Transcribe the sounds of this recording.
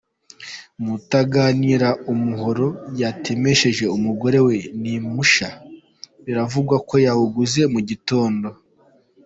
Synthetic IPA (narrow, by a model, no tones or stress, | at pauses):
mutaɡaːniɾaumuɦo̞ɾo̞jatʰe̞me̞ʃe̞ʒe̞umuɡo̞ɾe̞we̞nimuʃa | βiɾavuɡwako̞jahuɡuze̞muɟito̞ːndo̞